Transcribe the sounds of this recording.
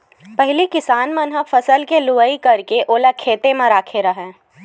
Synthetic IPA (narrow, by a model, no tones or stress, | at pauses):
pɛɦlikɪsaːnmənɦafʰɐsəlkeluʋəikɐɾkeʔoːlakʰeːt̪emãɾaːkʰeɾɐɦɛː